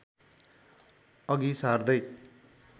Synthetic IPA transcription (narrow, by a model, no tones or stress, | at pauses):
ʌɡisard̪ʌj